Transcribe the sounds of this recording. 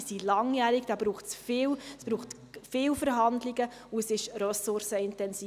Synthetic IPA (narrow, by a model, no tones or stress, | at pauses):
silɑŋjæːɾiɡd̥ɑːbɾuːχtsfɪːwɛsb̥ɾuːχt | fɪːwfəɾɦɑnd̪liɡə | uəsɪʃɾøsʊɾsəɪntɛnsiː